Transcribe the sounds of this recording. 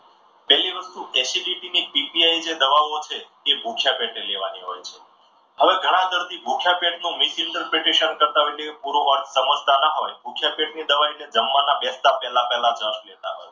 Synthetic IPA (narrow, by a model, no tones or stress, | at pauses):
pɛɦliʋəst̪uʔɛsiɖiʈinipipiaid͡ʒed̪əʋaʋot͡ʃʰeː | bʱukʰjapeʈeleʋaniɦo̰jt͡ʃʰe | ɦəʋeɡʱəɽ̃ãd̪əɾd̪ibʱukʰjapeʈnũmisɪɳʈəɾpɾeʈeʃənkəɾt̪aɦojnekepuɾoʋəɾʈsəməd͡ʒʱt̪anaɦojbʱukʰjapeʈnid̪əʋained͡ʒəmʋanabɛst̪apɛɦlapɛɦlad͡ʒə̃ʃlet̪a̰ɦo̰j